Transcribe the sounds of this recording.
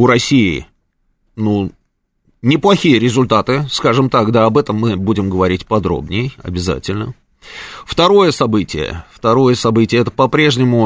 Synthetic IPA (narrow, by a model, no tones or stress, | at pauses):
ʊɾɐsʲiɪ̰ | nu | nʲɪplˠɐxʲijəɾʲɪzʊlʲt̪at̪ɨskaʐɨmt̪akd̪aɐbɛt̪əmːɨbudʲɪmɡəvɐɾʲitʲpɐd̪ɾo̰bnʲɪjjɐ̰bʲɪza̰tʲɪlʲnə | ft̪ɐɾo̞jəsɐbɨtʲɪjə̰ft̪ɐɾo̞jəsɐbɨtʲɪjəɛt̪əpɐpɾʲe̞ʐnʲɪmʊ